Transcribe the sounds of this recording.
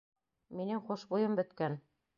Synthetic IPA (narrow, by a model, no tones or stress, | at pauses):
minɘŋχuʃbujɤmbɵ̆t̪kæn